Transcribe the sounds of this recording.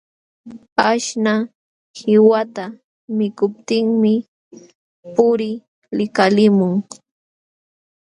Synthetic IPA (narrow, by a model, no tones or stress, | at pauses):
aʃna | hɪwat̪a | mɪkʊp̚t̪ɪŋmɪ | pʊɾɪ | lɪkalɪmʊŋ